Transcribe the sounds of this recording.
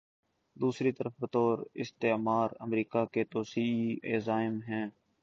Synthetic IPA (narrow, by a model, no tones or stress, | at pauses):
d̪uːsɾiːt̪əɾəfbət̪oːɾɪ̰st̪eːmaːɾəmɾiːkaket̪oːsiːiḛːzaːɪmɦɛ̃ː